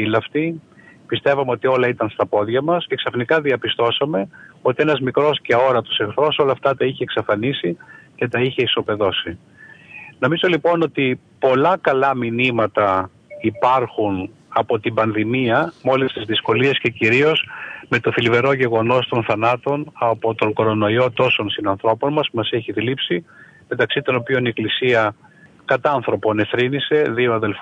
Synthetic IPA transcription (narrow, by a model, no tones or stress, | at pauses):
ilɐft̪ipist̪e̞vɐmeo̞t̪io̞lɐit̪ɐnst̪ɐpo̞ðʝɐmɐsce̞ksɐfnikɐðiɐpist̪o̞sɐme̞o̞t̪ienɐzmikɾo̞sce̞o̞ɾɐt̪u̥sexθɾo̞so̞lɐːft̪ɐt̪ɐiçeːksɐfɐnisice̞t̪ɐiçe̞iso̞pe̞ðo̞si | no̞mizo̞lipo̞no̞t̪i | po̞lɐkɐlɐminimɐt̪ɐ | ipɐɾxun | ɐpo̞t̪imbɐnðimiɐmo̞list̪izðisko̞lie̞sce̞ciɾio̞sme̞t̪o̞θilive̞ɾo̞ʝe̞ɣo̞no̞st̪o̞nθɐnɐt̪o̞nɐpo̞t̪o̞ŋɡo̞ɾo̞no̞io̞t̪o̞so̞nsinɐnθɾo̞po̞nmɐsmɐseçiðilipsi | me̞t̪ɐksit̪o̞no̞pio̞nie̞klisiɐ | kɐt̪ɐɐnθɾo̞po̞ne̞θɾinise̞ðio̞ɐðe̞lf